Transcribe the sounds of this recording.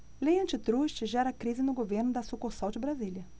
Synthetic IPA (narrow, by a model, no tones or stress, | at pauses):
lejɐ̃nt͡ʃɪt̪ɾuʃt͡ʃɪʒɛɾɐkɾizɪnʊɡoveɾnʊd̪ɐsukosawd͡ʒɪbɾaziljɐ